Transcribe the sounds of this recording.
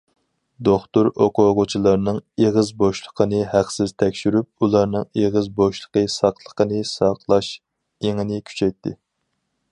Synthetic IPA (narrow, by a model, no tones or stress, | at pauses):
d̪oχt̪uɾoqoʁʊt͡ʃʰilˠɑɾnɨŋeʁəzboʃlˠə̥qʰənɨhæqsɪzt̪ʰɛkʲʃyɾyp̚ulˠɑɾnɨŋeʁəzboʃlˠə̥qəsɑqʰlˠəqənɨsɑqlˠɑʃ | eŋɨnɪkʲʰy̥t͡ʃʰɛjt̪ʰːɪ